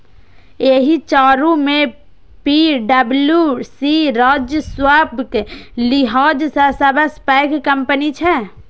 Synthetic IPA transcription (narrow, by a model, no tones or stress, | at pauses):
eɦit͡ʃaːɾumẽ | piɖəbljusiɾaːd͡ʒjəswabʱklɪɦaːd͡ʒsɐsɐbəspɛɪkkəmpənit͡ʃʰɛ